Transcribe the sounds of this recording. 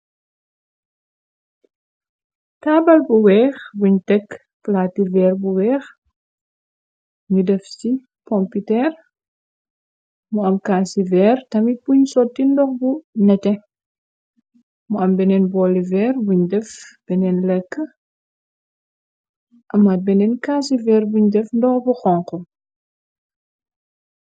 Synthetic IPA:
taːbɐlbuwɛːxbuɲtɛkː | flaːtivɛːrbuwɛːx | ɲudɛfsi | pɔmpitɛr | muɐmkaːsivɛːrtɐmipuɲsɔtːindɔxbunɛtɛ | muɐmbɛnɛnbɔːlivɛːrbuɲdɛfb̥ɛnɛnlɛkːə | ʔɐmːɐt̚bɛnɛnkaːsivɛːrbuɲdɛfndɔxbuxɔŋqɔ

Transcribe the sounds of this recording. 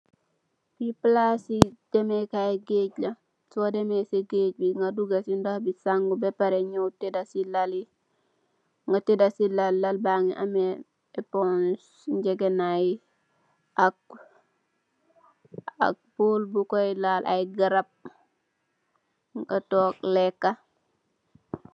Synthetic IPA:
biplasid̥ɛmekaɡeɟlɐ | sodemeseɡeːɟ̚biŋɡaduɡɐsindohbisaŋɡubɛpaɾeɲowtedasilali | ŋɡatedasilalːalbaŋḭʔame | epons | ɲd͡ʒeɡenai | ak̚ | a̰k̚boːlbukoilalʔa̰jɡaɾap̚ | ŋɡatoːk̚lekːa

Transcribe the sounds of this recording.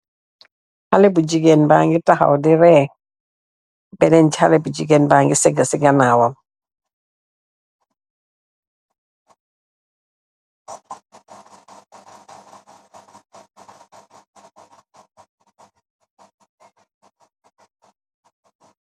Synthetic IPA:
halɛbud͡ʒiɡɛnbaŋɡitaha̰wdɪɾɛ | bɛnɛn̩d͡ʒalɛbud͡ʒiɡɛnbaŋɡɪsɛɡəsɪɡanawam

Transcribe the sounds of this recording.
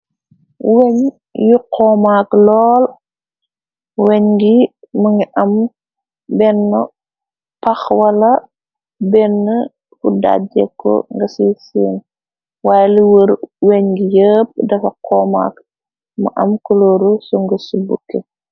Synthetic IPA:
weɲ | juqʰɔːmaklɔːl | wɛɲɡimɐŋiʔɐm | bɛnːə | pɐxwɐlɐ | bɛnːə | kuda̰d͡ʒɛkːɔ̰ŋɡɐsisiːn | waːjliwɾweɲɡijəːp̚dɐfɐqɔːma̰k | mɐ̰ʔɐmkulɔːɾusuŋɡəsubukːə

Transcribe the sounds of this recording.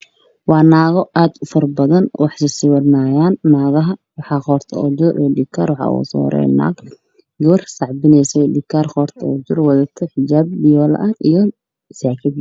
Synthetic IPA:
wɑːnaːɣɔʔaːd̪fɔrbɐðɐnwɑħsɪsɪwɐrnaːjaːnːaːɣɐɦɐwɑħɑːχɔːrt̪ʰɐ̰ɔd͡ʒʊɾʔiːɖɪkʰaːrwɑħɑ̰ːʔṵːsɔ̰ːɾɛ̰jna̰ːɡ | ɡɔːrsɑʕbɪnɛjsɛjɖɪkʰːaːrχɔːrt̪ʰɔɔd͡ʒʊrwɐðɐt̪ʰɔħɪd͡ʒaːb̚bɪjɔːl̰ʔɐijɞ | saːkʰɪd̪

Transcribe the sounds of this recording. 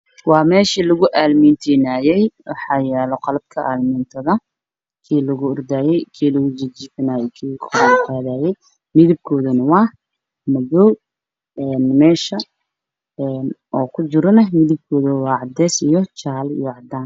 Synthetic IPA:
wɑːmɛːʃilʊɣʊʔaːlmint̪ʰinaːjɛjwɑħɑːjɛːlɔqɑlɐb̚kʰɐʔaːlmɪnt̪ʰɐðɐ | kʰiːlɐɣʊːrd̪aːjɛjkʰiːlɐɣʊd͡ʒɐt͡ʃiːfɐnaːjɛkʰiːkʰɾaqaːðaːjɛj | mɪðɪb̚kʰɔːðɐnɐwɑː | mɐðɔw | ɛːnmɛːʃɐ | ɛːnɔːkʰʊd͡ʒɪɾɔnɐmɪðɪb̚kʰɔːðɐwɑːʕɑd̪ɛːsijt͡ʃaːlḭjɔʕɑd̪aːn

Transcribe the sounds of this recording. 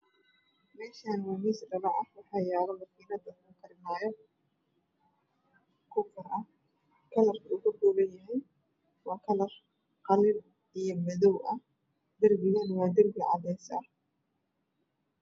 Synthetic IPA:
mɛːʃaːnwɐmiːsɖɐβɑʕɑhwɑħɑːjaːɾɐmɐkiːnɐd̪ɐkʰʊkʰɐɾɪmaːjɔ | kʰʊfʊrɐ | kʰɐlɐrkʰɐʊɣʊɡɔːβɐnjɐɦɛj | wɑːkʰɐlɐr | qɑlɪb | ijɞmɐðɔwʔɐ | d̪ɐrbɪɣɐnwɑːd̪ɐrbɪʕɑ̰d̪ɛjsɐ

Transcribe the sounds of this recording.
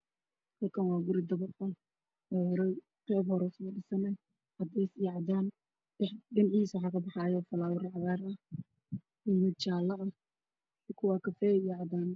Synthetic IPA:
hɐlkʰɐnwɑːɡʊɾɪd̪ɐβɐdɐ | ɾɛ | qɛːbhɔɾɛsɛɪsɐnɛj | hɐd̪ɛːsɪjʕɑd̪aːn | ɪɖɪnʕhiːswħɑːkʰɐbɑħɑːjɔːfɐlaːwʊrʕɑɣaːɾɐ | iːmɪd̪̚t͡ʃaːlɐʔɐ | sɪkʰʊwɑːkʰɐfɛːjɛʕɑd̪aːn

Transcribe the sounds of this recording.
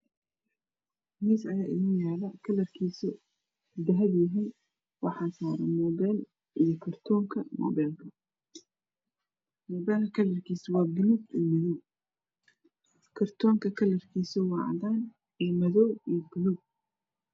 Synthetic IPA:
niːsɐjaːʔɪnuːjaːlɐkʰɐlɐrkʰiːsɔ | d̪ɐɦɐdjɪɦiːn | wɑħaːsaːɾɐmɔːbaːl | ʔijɔkʰɐrt̪ʰɔːŋkʰɐmɔ̰baːlkʰɐ | mɔːbaːlɐkʰɐlɐrkʰiːswaːɡɪlubɪmɐðɔw | kʰɐrt̪ʰɔːŋkʰɐkʰɐlɐrkʰiːsɔwɑːʕ̰daːn | ɛmɐðɔwijɔɡʊlub̚

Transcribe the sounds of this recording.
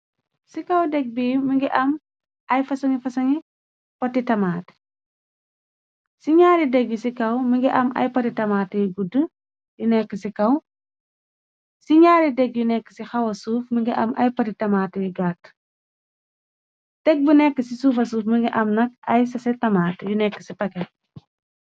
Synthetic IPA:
sikɐwdɛɡ̚biːmiŋɡiʔɐm | ɐjfɐsɐŋifɐsɐŋi | pɐtːitɐmaːt | siɲaːɾidɛɡjusikɐwmiŋɡiʔɐmɐ̰jpɐtitɐmaːtɛɡudə | junɛkːəsikɐw | siɲaːɾidɛɡ̚junɛkːəsixɐwɐsuːfmiɡiʔɐ̰mɐ̰jpɐtitɐmaːtɛjiɡaːt | tɛɡ̚bunɛkːəsisuːfɐsuːfmiŋɡiʔɐmnɐk̚ɐjs̬ɐsɛtɐmaːtjunɛkːəsipɐkɛ

